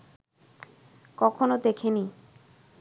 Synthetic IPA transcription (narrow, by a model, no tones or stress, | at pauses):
kɔkʰonod̪ekʰeni